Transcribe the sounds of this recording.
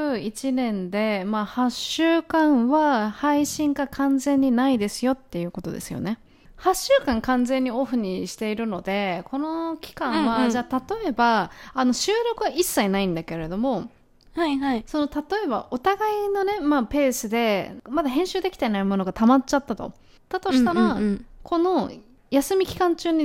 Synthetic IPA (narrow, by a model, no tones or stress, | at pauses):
ɯ̟it͡ɕinẽ̞nd̪e̞mahaɕɨːkãɰ̃βahaiɕĩŋɡakʰãnd͡zẽ̞ɲ̟ːinaid̪e̞sɨjo̞t̪ːe̞jɯ̟ːko̞t̪o̞d̪e̞̰sɨjo̞̰ne̞ | haɕːɨːkãŋkãnd͡zẽ̞ɲ̟ːioɸɯ̟ɲ̟iɕi̥t̪e̞iɾɯ̟no̞d̪e̞kʰo̞no̞kʲi̥kãɰ̃βad͡ʑaːt̪at̪o̞e̞baːno̞ɕɨːɾo̞kɯ̟ɡaisːainaĩnd̪ake̞ɾe̞d̪o̞mo̞ | haso̞no̞t̪at̪o̞e̞ba̰ʔo̞t̪aɡaino̞ne̞mape̞ːsɨd̪e̞mad̪aɦẽ̞ɕɨːd̪e̞ki̥t̪e̞naimo̞no̞ɡat̪amat͡ɕt͡ɕat̪ːat̪o̞̰ | t̪ːat̪o̞ɕi̥t̪aɾakʰo̞no̞ | jasɨmʲikʲi̥kãɲt͡ɕɨːɲ̟i